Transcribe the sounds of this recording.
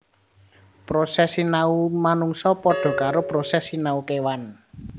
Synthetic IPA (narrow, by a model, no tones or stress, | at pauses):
pɾosɛsinaumanuŋsɔpɔɖ̥ɔ̤kaɾopɾosɛsinaukewan